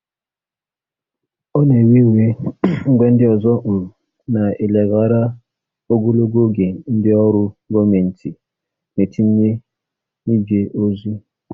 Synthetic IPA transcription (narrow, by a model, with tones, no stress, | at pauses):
ɔ˦ne˨we˦˨we˦ŋ͡m̩˦ɡ͡be˦n̩˦dɪ˦ɔ˨zɔ˦ʔ̩˨ | na˨e˨le˨ɣa˨ɾa˦ | o˦ɡo˦lo˦ɡo˦ɡe˨n̩˦dɪ˦ɔ˦ɾʊ˦ɡɔ˦me˨n̩˨tʰi˨ | ne˨tʰi˦m̩˦ne˦ | ni˦d͡ʒe˨ʔo˦zu˦